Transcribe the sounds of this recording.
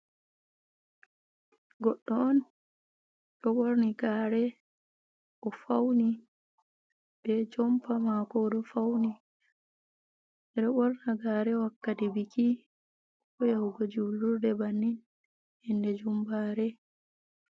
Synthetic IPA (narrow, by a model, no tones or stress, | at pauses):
ɡɔɗːɔɔn | ɗɔɓoɾniɡaːɾɛ | ʔɔfawni | bɛd͡ʒɔmpamakɔɗɔfawni | ɛɗɔɓɔɾnaɡaːɾɛwakːatibiki | ʔɔjawuɡɔd͡ʒulːuɾdɛbanːin | hɛndɛd͡ʒumbaːɾɛ